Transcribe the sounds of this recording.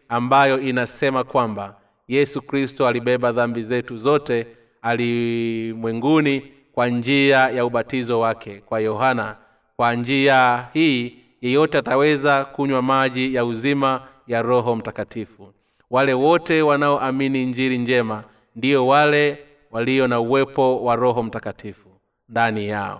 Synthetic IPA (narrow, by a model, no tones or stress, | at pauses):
ambajɔinasɛmakwamba | jɛsukɾistɔaliɓɛɓaðambizɛtuzɔtɛ | alimwɛŋɡuni | kwaɲd͡ʒiajauɓatizɔwakɛkwajɔɦana | kwand͡ʒiahiː | jɛjɔtɛatawɛzakuɲwamaʄijauzima | jaɾɔɦɔm̩takatifu | walɛwɔtɛwanaɔʔaminiɲd͡ʒiɾiɲd͡ʒɛma | ndiɔwalɛ | waliɔnauwɛpɔwaɾɔɦɔm̩takatʰifu | ndanija̰ɔ̰